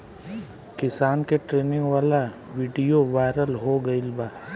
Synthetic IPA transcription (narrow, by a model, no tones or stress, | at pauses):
kɪsaːnkeʈɾeːnɪ̃ʋaːla | ʋiːɖijoʋaːɪɾəlɦoɡɐɪlbaː